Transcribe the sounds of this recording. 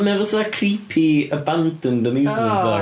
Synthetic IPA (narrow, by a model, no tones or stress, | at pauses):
mɛvəsakʰriːpʰiəbandʰənðəmjuːzɪ̃za